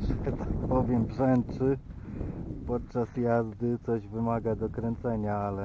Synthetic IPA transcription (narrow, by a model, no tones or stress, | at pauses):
ʂɛt̪apɔvʲjɛmbʐɛnt͡ʂɘ | pɔt̪̚t͡ʂasjazd̪ɘt̪sɔʑvɘmaɡad̪ɔkɾɛnt̪sɛɲaalɛ